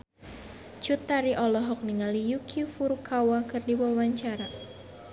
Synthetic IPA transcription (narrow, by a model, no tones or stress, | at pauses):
t͡ʃut̪ːaɾiʔɔlɔɦɔk̚niŋalijukʰifurkʰawakɨrdiwawaɲt͡ʃaɾa